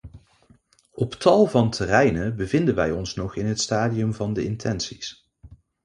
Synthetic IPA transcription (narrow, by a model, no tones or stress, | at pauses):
ɔptɑlˠvɑntʰərɛjnəbəvɪndəʋɛjɔnsnɔχɪnɦətstaːdiɵmvɑndəɪntʰɛnsis